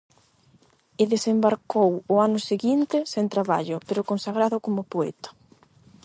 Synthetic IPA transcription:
eðesembaɾkowʊanʊseɣint̪ɪsẽnt̪ɾaβaʎʊpeɾʊkonsaɣɾaðʊkomʊpoɛ̰t̪ḁ

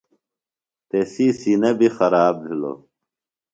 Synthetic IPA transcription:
t̪esiːsiːnɐbʱixɐɾaːbbʱilo̰

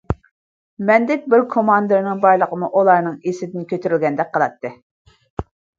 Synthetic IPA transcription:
mɛnd̪ɛk̚ʲbɪɾkʰomɑnd̪ɨɾnɨŋbɑjlˠəqəmuʔulˠɑɾnɨŋesɪd̪ɪnkʲʰøt̪ʰyɾylʲɡʲɛnd̪ɛk̚ʲqʰəlˠɑt̪ʰːɨ

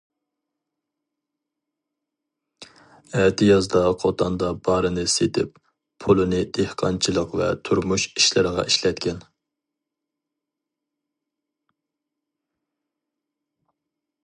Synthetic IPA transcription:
ɛt̪ʰɪjɑzd̪ɑqʰot̪ʰɑnd̪ɑbɑɾɨnɨset̪ʰɪpːʰ | olˠɨnɨd̪̥ehqʰɑnt͡ʃʰɨlˠəqvɛ̰t̪ʰuɾmuʃi̥ʃlɪɾəʁɑ̰ʔiʃlɛt̪̚kʲʰɛn

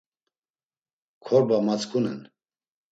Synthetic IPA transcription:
kʰɔɾbamat͡skʰunɛ̰n

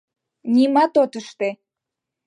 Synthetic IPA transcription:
nʲimɑt̪ot̪əʃt̪e

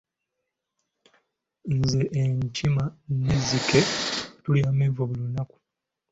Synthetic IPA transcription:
nzeʔːɲcʰimaneziketuljaːmevoβulunaku̥

